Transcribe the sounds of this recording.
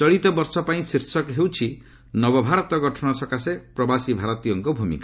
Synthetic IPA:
t͡ʃɔɭit̪ɔbɔɾsɔpaĩsiɾsɔkɦewt͡ʃʰi | nɔbɔbʱaɾɔt̪ɔɡɔʈʰɔñɔsɔkasepɾɔbasibʱaɾɔt̪iɔŋkɔbʱumḭka

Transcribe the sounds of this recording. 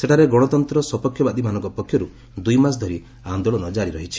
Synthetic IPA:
seʈʰaɾeɡɔɽ̃ɔt̪ɔnt̪ɾɔsɔpɔkʰjɔbad̪imanɔ̃ŋkɔpɔkʰjɔɾu | d̪ujmas̬d̪ʱɔɾi | and̪oɭɔnɔd͡ʒaɾiɾɔɦit͡ʃʰi̥

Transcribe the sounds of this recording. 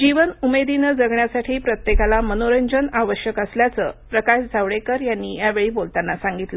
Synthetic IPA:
d͡ʑiʋənumed̪inəd͡zəɡɳjasaʈʰiːpɾət̪jekalamənoɾəɲd͡ʑənaʋəɕjəkəsljat͡səːpɾəkaɕd͡zʱaʋɭekəɾjanːijaʋeɭiːbolt̪anːasaŋɡit̪lə

